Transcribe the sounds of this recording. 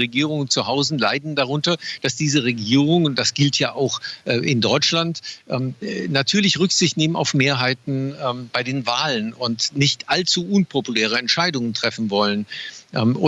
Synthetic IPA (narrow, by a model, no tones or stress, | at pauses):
ʁeɡiːʁʊŋnt͡suɦaʊzn̩laɪdn̩daʁ̞ʊntɐd̥asd̥iːzəʁ̞eɡiːʁʊŋʊntd̥asɡ̥ɪltʰjaːʔaʊxʔʔɪndɔʏt͡ʃlantʔɛːmnatʰyːɐlɪçʁʏkz̥ɪçtneːməna̰ʊfmeːɐɦaɪtn̩ɛːmb̥aɪdeːnvaːlənʊntnɪçtʔalt͡suʔʊnpʰopulɛːʁ̞əɛntʃaɪdʊŋəntʁ̥ɛfn̩vɔlənʔɛːʊ